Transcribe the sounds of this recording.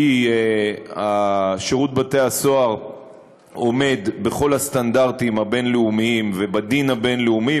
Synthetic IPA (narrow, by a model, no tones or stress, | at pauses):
i | aʃeʁut̪̚bate̞aso̞aʁ | o̞me̞d̪beχo̞last̪andaʁt̪imabe̞nleumiimvebad̪inhabe̞nleumi